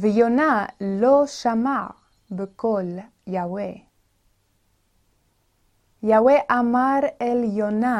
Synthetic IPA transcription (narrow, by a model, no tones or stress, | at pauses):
vəjonaloʃama | bəkol | jawe | jaweʔamaɾɛljona